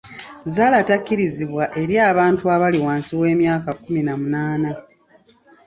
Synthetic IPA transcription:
zaːlatakːiɾiziβwaʔe̞ɾjaːβaːntuaβaliwaːnsiwe̞ːmjaːkakuminamunaːna

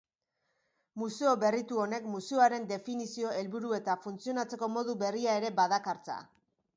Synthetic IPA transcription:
museo̞βe̞rit̪uo̞ne̞kmuseoaɾe̞nd̪e̞finisio̞e̞lβuɾue̞t̪afunt͡sio̞nat͡se̞ko̞mo̞ðuβe̞riae̞ɾe̞baðakaɾt͡sa̰

